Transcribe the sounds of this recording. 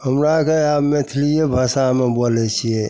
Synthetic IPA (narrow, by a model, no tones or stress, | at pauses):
ɦəmɾakeabmet̪ʰlijebʱasamebolɛt͡ʃʰije